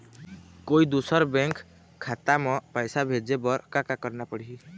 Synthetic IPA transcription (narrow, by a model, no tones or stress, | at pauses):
koid̪usəɾbɛ̃ŋkʰː | at̪amɔ̃pajsabʱed͡ʒebɔɾkakakəɾnapəɽ̤ɦi